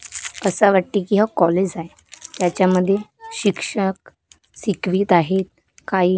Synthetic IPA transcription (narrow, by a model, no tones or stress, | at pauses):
əsaʋaʈːikiɦakɔled͡ʑaj | t̪jat͡ɕjaməd̪ʱːjeɕikʂək̚ | sikʋiːt̪aɦet̪̚ | kai